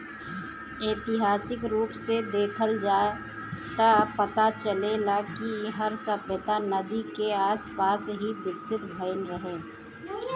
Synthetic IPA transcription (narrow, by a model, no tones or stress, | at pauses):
eːt̪ɪɦaːsɪkɾuːpsed̪eːkʰəld͡ʒaː | t̪apət̪at͡ʃəlelakiɦəɾsəpət̪anəd̪ikeaːspaːsɦibɪd̪sɪt̪bʱəɪnɾəɦeː